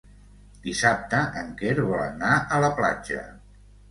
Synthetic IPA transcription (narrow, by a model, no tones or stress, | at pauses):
d̪̥isap̚t̪əʔəŋkeɾβɔlə̰naʔələpla̰d͡ʒə̰